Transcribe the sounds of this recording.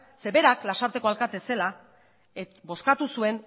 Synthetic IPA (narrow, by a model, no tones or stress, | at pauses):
se̞βe̞ɾaklasaɾt̪e̞ko̞alkat̪e̞se̞la | ebo̞skat̪usue̞n